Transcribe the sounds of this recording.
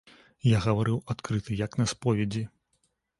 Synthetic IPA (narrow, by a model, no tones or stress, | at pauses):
jaɣɐvaɾɨwat̪kɾɨt̪ɨjɐknɐspɔvʲɛd͡zʲi